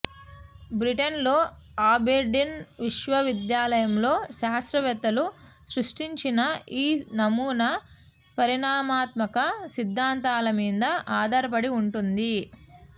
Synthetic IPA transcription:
bɾiʈɐnlo̞ː | aːbeːɖinʋiʃʋɐʋid̪jaːlɐjɐmlo̞ːʃaːɐst̪ɾɐʋɛt̪ːɐlu | sɾuʂʈiɲt͡ʃinɐiːnɐmuːnɐ | pɐɾiɳaːmaːt̪mɐkɐsid̪ʱːaːnt̪aːlɐmiːd̪ɐʔaːd̪ʱɐɾɐp̬ɐɽiuɳʈund̪i

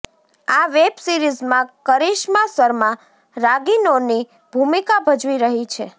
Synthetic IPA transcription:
aʋebsiɾizmãkəɾiʃmasəɾmã | ɾaɡinoni | b̥ʱumikabʱəd͡ʒʋiɾəɦit͡ʃʰe

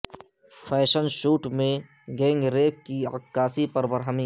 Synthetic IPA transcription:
fʰɛːʃənʃuːʈmẽ | ɡɛ̃ːŋɡɾeːp̚kiɐkːaːsipɐɾbəɾɦəmi

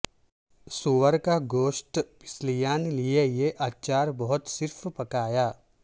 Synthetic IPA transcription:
suʋəɾkaɡoːʃʈpɪ̥slijaːnliejeʔaːtt͡ʃaːɾbɔɦʊt̪sɪɾfpɐkaːjaː

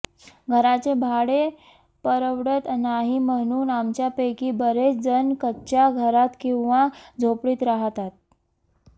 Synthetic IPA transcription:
ɡʱəɾat͡sebʱaɽe | pəɾəʋɽət̪naɦiməɽ̃uːnamt͡ɕjapekiːbəɾet͡sd͡zənkətːɕjaɡʱəɾat̪kĩw̃ʋad͡zʱopɽiːt̪ɾaɦt̪at̪̚

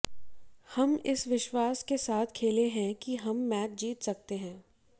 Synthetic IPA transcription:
hɐmɪsʋɪʃwaːskesaːt̪ʰkʰeːleɦɛ̃kiɦɐmːɛːt̚d͡ʒiːt̪sɐk̚t̪eɦɛ̃ː

